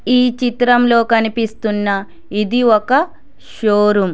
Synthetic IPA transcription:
iːt͡ʃit̪ɾɐmlo̞ːkɐnipist̪unːɐ | id̪iɔkɐ | ʃoːɾum

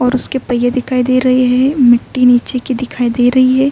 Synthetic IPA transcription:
ɔːɾʊskepɐjed̪ɪkʰaːid̪eːɾɐɦeɦɛɛ̃mɪʈːiniːt͡ʃekid̪ɪkʰaːid̪eːiɾɐɦiɦɛː

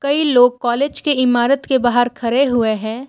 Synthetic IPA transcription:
kɐiloːɡ̚kɔːleːd͡ʒkeɪmaːɾət̪kebaːɦəɾkʰɐɾeɦʊeɦɛ̃ː

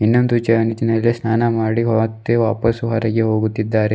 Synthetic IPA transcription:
inːond̪ut͡ʃɐɐnit̪inɐlːisnaːnɐmaːɽiɦɔːt̪ːeʋaːpɐsuɦɐɾɐɡeɦo̞ːɡut̪ːid̪ːaːɾe

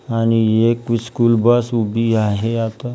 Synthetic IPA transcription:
añiekiskuːlbəsubiaɦeat̪a

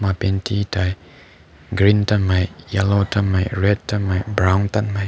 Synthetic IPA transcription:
mapɛntitaj | ɡɾintamajjalotamajɹɛd̚tamajbɾawnt̪anmaj

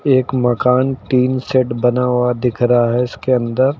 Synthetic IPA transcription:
eːkmɐkaːnʈiːnseʈbɐnaːwad̪ɪkʰɾɦaɦɛɪskeɐ̃nd̪əɾ

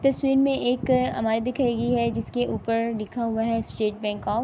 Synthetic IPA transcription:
t̪ɐswiːɾmẽʔeːkɦɐ̰maːɾed̪ɪkʰaiɡiɦɛd͡ʒɪskeʔuːpəɾlɪkʰaɦʊaɦɛsʈeːʈ̚bɛ̃ːŋkɔːf

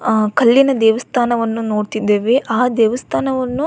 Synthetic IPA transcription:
kɐlːinɐd̪ɛːʋɐst̪ʰaːnɐʋɐnːuno̞ːɽt̪id̪ːeːʋe̞ʔaːd̪ɛːʋɐst̪ʰaːnɐʋɐnːu

